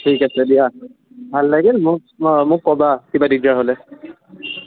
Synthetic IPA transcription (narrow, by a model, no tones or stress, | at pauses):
tʰikasɛdija | bʱalːaɡɛlmʊk̚ | mʊkːɔbakibadidaɦolɛ